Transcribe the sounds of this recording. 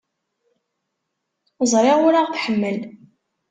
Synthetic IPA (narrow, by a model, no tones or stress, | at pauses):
əzˤɾˤeʁʊɾaʁθħəmːəl